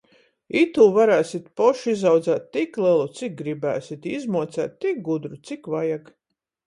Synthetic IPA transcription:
it̪ulˠvaɾæːsit̪pɔʃizawd̪zæːt̪ːiklˠilˠut̪sik̚ɡɾibæ̰ːsit̪izmuɔt̪sæ̰ːt̪ːik̚ɡud̪ɾut̪sikvajak

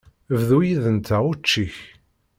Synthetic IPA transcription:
əvðujiðənt̪æut͡ʃːiç

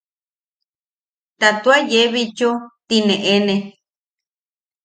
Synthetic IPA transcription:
t̪at̪uajeβit͡ʃot̪inẽʔenẽ

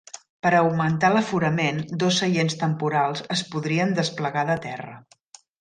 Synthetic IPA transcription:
pəɾəwmənt̪aləfuɾəmend̪ɔsːəʎenst̪əmpuɾalˠzəspuðɾiənd̪əspləɣaðət̪ɛrə̰

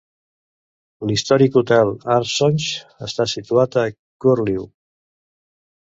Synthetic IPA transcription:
list̪ɔɾikut̪ɛlaɾsɔnʲʃəst̪asit̪uat̪ə | kuɾliw

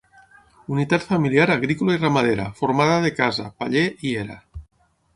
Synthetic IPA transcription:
unit̪at̪familjaɾaɣ̞ɾikulairamað̞eɾa̰foɾmaðaðekaza̰paʎeʔieɾa̰

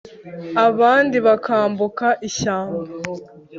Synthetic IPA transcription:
aβaːndiβakaːmbukaʔiɕaːmɡa

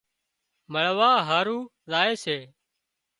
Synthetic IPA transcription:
məɭʋaːɦaːɾuː | zaːeːseː

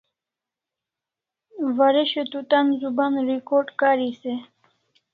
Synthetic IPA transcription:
vaɾeɕet̪ut̪anzubanɾikoʈkaɾise

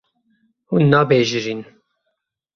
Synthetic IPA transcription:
unːɑːbeːʒɨɾiːn

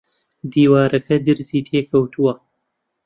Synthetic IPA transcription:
d̪iːwaːɾɐkɐd̪ɨɾziːt̪ʰeːkʰɐwt̪ʰuwɐ

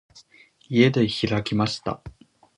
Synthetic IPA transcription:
ie̞d̪e̞çiɾakʲimaɕi̥t̪a̰

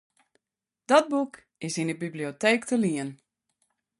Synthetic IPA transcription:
d̥ɔt̚buk | ɪsindəbiblioteːktʰəliən

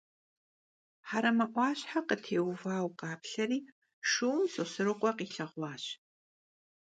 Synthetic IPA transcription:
ħaɾɐmɐʔʷɑːɕħaqətʰeːwvaːwqɑːpɬɐriː | ʂuwmsɨsɨɾɨqʷʼɔqiːɬɐʁʷɑːɕ

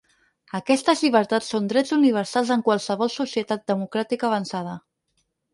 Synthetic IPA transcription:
əkɛst̪əzʎiβəɾt̪at͡ssːond̪ɾɛd͡zuniβ̞əɾsalˠzəŋkwalˠsəβɔlˠsusiət̪at̪̚d̪əmukɾat̪ikəβ̞ənsað̞ə

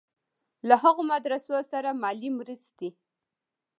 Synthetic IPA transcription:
laɦaɣomad̪ɾasosaɾamɑlimɾəst̪e

